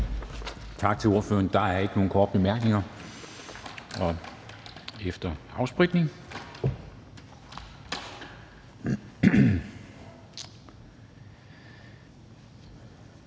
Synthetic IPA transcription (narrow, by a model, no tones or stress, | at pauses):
t͡sʰɑ̈ɡ̥̚t͡sʰe̝lo̝ɐfø̰ːɐnd̥ɑ̈æɐe̝ɡ̥əno̝ːn̩kʰɒːd̥əb̥emæɐɡ̥ne̝ŋɐ | ɒ̽ | efd̥ɐɑ̈ʊsb̥ʁiɡ̥ne̝ŋ